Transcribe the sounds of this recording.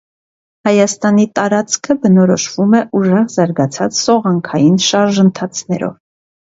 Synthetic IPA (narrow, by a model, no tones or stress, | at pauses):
hɑjɑst̪ɑn̪it̪ɑɾɑt͡skʰəbənɔɾɔʃvumɛʔuʒɛʁzɑɾɡɑt͡sʰɑt͡ssɔʁɑŋkʰɑjinʃɑɾʒənt̪ʰɑt͡sʰnɛ̰ɾɔ̰v